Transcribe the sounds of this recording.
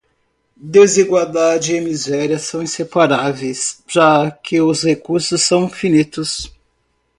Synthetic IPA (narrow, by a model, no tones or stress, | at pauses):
d̪eziɡwawd̪ad͡ʒɪemizɛɾiɐsɐ̃w̃ĩsepaɾavejsʒ̥akʰɪʊshekuɾsʊsːɐ̃w̃ĩfinit̪ʊs